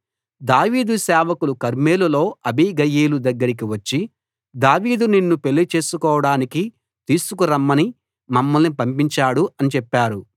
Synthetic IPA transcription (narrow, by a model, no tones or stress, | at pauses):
d̪aːʋiːd̪usɛːʋɐkulukɐɾmeːlulo̞ːɐbiɡɐjeːlud̪ɐɡːɐɾik̬iʋɐt͡ʃːi | d̪aːʋiːd̪uninːupe̞lːit͡ʃe̞ːsukɔːʋɐɽaːniki | t̪iːsukuɾɐmːɐni | mɐmːɐlnipɐmpiɲt͡ʃaːɽuɐnit͡ʃɛpːaːɾu